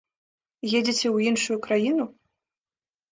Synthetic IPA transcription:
jed͡zʲit͡sʲɛwjinʂujukɾajinu

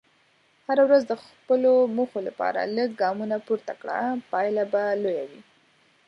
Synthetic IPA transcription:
haɾawɾazd̪əxpəlomuxolapɑ̰ɾa̰ləɡ̚ɡɑmunapoɾt̪akɽa̰pɑjlabalojawi

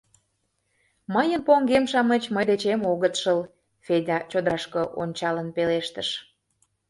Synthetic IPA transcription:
məjənpoŋɡemʃɑmət͡ɕməjd̪et͡ɕemoɣət̪ʃəl | fedʲɑt͡ɕod̪əɑʃkəʔo̰nʲt͡ɕɑlə̆npeleʃt̪əʃ

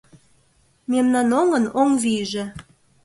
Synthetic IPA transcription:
memnɑnoŋənoŋviʒĕ

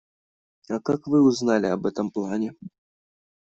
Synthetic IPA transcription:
ɐkakvɨuznalʲiɐbɛt̪ɐmplˠanʲɛ

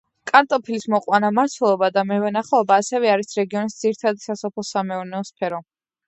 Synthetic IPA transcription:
kʼant̪ʼɔpʰilismɔqʼwanamaɾt̪ʰwɛlˠɔbad̪amɛvɛnaχɛɔbaːsɛvɛaɾisɾɛɡiɔnisd̪z̥iɾit̪ʰad̪isasɔpʰlˠɔsamɛɔɾnɛɔspʰɛɾɔ

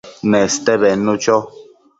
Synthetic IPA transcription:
nɛst̪ɛβɛnũt͡ʃɔ

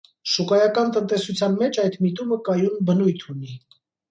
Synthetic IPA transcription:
ʃukɑjɑkɑnt̪ənt̪ɛsut͡sʰjɑnmɛt͡ʃʰɑjt̪mit̪uməkɑjunbənujt̪ʰuni

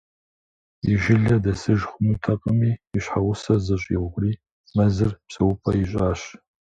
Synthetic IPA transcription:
iʒɪɮɐdɐsɨʒχʷʊmutʰɐqʼəmiːɕħawʊsɐzɨɕʼḭʁʷɡʷriː | mɐzɨrpɕʼɐwʊpʰɐjiɕʼaːɕ

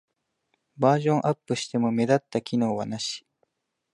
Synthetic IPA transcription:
baːʑõ̞ɰ̃ʔapːɯ̟ɕi̥t̪e̞mo̞me̞d̪at̪ːakʲino̞ːβanaɕi̥

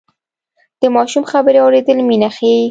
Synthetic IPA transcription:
d̪̥əmɑʃumxabəɾeɑwɾed̪əlminaxe

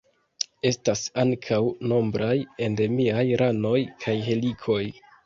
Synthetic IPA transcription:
e̞stasaŋkʰawno̞mbɾaje̞nde̞miajɾʔano̞jkʰajɦe̞likʰo̞j

